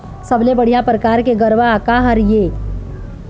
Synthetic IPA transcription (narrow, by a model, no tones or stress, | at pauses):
sɐblebɐɽ̤ijapɾəkaːɾkeɡəɾʋakaɦɐɾjeː